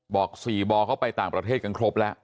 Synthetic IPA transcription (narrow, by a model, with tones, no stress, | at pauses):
bɔː˨˩k̚siː˨˩bɔː˧kʰa˦˥˩wpa˧jt̪aː˨˩ŋpɾa˧t̪ʰeː˥˩t̪̚ka˧nkʰɾo˦˥p̚lɛ˦˥ʔ